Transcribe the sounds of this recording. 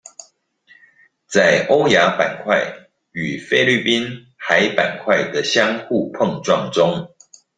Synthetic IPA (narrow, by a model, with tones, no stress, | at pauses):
t͡sa˥˩ɪʔo˦ʊja˨˦pa˨˩nkʰwa˥˨ɪ | y˨˩fe˦˥ɪly˥˨pi˦˥n | xa˦ɪpa̰˨˩nkʰwa˥˨ɪd̪ə˨ɕjɑ˦ŋxu˥˨pʰɤ˥˨ŋʈ͡ʂwɑ˥˨ŋʈ͡ʂʊ˦˥ŋ